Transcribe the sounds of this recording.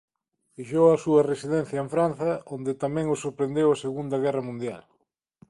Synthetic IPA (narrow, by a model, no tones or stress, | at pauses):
fiʃowɐsuɐresiðɛn̟θjɐeɱfɾanθɐond̪et̪amɛ̃ŋosoɾpɾend̪ewɐseɣund̪ɐɣ̞ɛrɐmũnd̪ja̰l